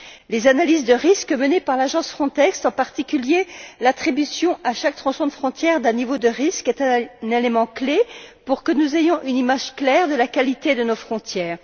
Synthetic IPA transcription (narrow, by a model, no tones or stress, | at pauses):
lezanalizd̪əʁiskəmənepaʁlaʒɑ̃sfχɔ̃t̪ɛkst̪ɑ̃paʁt̪ikʲyljelat̪χibysjɔ̃ʔaʃak̚t̪χɑ̃sɔ̃d̪əfχɔ̃t̪jɛʁd̪ɛ̃nivod̪əʁiskɛt̪ɛ̃nelemɑ̃klepuʁkənuzejɔ̃ʔynimaʒklɛʁd̪əlakalit̪ed̪ənofχɔ̃t̪jɛːʁ